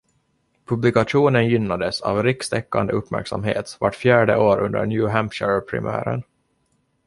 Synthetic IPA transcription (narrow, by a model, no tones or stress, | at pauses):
pʰɵblɪkaʂuːnənjʏnːad̪əsavɾɪkst̪ɛkːa̰nd̪əɵpːmæ̰ɾksamɦḛːt̪vaʈːfjæːɖəʔoːɾʔɵnd̪ə̰ɳjʉːɦæmpʂəɾpʰɾɪ̰mæ̰ːɾə̰n